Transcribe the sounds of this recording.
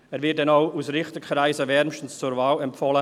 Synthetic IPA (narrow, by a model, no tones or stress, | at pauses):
ɛːɾvɪt̚dɛnaʊusɾɪχtəkχɾaɪsəvɛɾmʃtən̩st͡suɾvaːlɛmpfɔlə